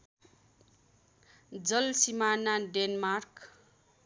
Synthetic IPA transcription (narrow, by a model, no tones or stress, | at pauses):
d͡zʌlsimanaɖenmark